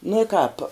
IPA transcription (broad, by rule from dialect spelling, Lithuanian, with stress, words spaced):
nuɔ ɪ kɑːp